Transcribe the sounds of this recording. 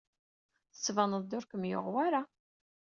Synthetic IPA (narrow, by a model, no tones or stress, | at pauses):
θə̥sːvænəðˤd̪ʊɾkəmjo̰ʁwaɾa